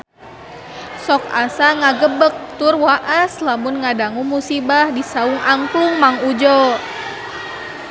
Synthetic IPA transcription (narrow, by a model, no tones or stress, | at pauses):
sɔka̰saŋaɡəbək̚t̪urwaʔaslamunŋadaŋumusibahdisauŋʔaŋkuŋmaŋud͡ʒɔ